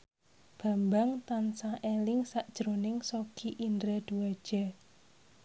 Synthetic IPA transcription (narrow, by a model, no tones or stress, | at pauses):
b̥a̤mbaŋt̪ansaʔelɪŋsaʔd̥ʒ̥ɾonɪŋsokʰiʔind̪ɾad̪̥uad̥ʒ̥ɛ̤